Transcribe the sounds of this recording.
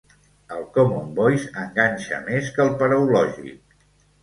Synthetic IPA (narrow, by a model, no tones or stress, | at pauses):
əlˠkɔmumbɔjsəŋɡanʲʃə̰meskəlˠpəɾəulɔʒḭk̚